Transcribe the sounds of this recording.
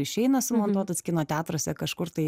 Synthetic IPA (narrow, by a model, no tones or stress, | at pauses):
ɪʃʲɛɪnɐsʊmoːnt̪uɔt̪ɐsʲkʲɪnoːt̪ʲæːt̪ɾoːsʲɛkɐʃkʊrt̪ɐɪ